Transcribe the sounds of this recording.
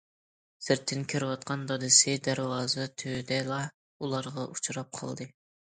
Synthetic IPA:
sɪɾt̪ʰːɪnkʲʰiɾɪwɑt̪̚qʰɑnd̪ɑd̪ɨsɨd̪æɾwɑːzɨt̪ʰød̪ɛlˠɑ | ulˠɑɾʁɑʔut͡ʃʰuɾɑp̚qʰɑ̰lˠd̪ɨ

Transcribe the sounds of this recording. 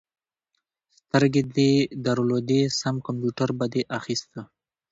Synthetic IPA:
st̪əɾɡed̪ed̪aɾolod̪esamkampjuʈaɾbad̪eʔaxist̪ə

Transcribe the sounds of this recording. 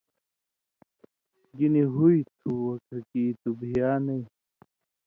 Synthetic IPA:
ɡiniɦuit̪ʰuwɐkɐkiːt̪ubʱijaːnɐi

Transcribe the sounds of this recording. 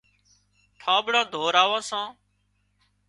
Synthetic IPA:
ʈʰaːbɽãːd̪ʱoːɾaːʋãːsãː

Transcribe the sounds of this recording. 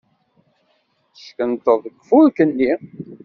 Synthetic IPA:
θə̥ʃkənt̪əðˤəkːfulkənːi

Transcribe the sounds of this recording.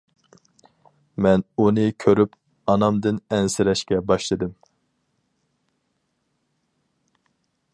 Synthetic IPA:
mɛnunɨkʲʰøɾyp | ɑnɑmd̪ɨnɛnsɪɾɛʃkʲɛbɑʃlˠɨd̪ɨm

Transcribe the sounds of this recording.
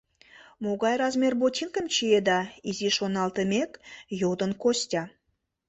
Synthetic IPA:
moɡɑjɾɑzmʲerbot̪ʲinkəmt͡ʃied̪ɑizʲiʃonɑlˠt̪əmʲekjowd̪onkosʲtʲa

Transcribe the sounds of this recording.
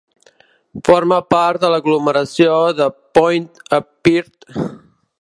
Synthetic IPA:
fɔɾməpaɾt̪̚d̪ələɣluməɾəsjoðəpɔjnt̪əpiɾt̪

